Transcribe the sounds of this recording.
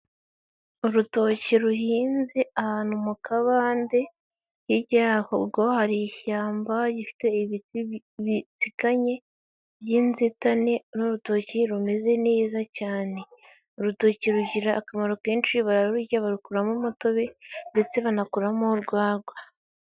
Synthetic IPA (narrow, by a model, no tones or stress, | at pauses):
uɾuto̞ceɾuhiːnzeʔahaːnumukʰaβaːnde̞ | hiɟaːhoɾɡohaɾiçaːmbaɟifi̥te̞βi | βit͡sikaɲe̞ | βjiːnzitane̞nuɾutociɾume̞ze̞neːzacaːne̞ | oɾutoceɾuɟiɾaːkamaɾokeːnt͡ʃiβaɾaɾuɾuɟaβaɾukuɾamumuto̞βende̞t͡se̞βanakuɾamoɾɡwaːɾɡwa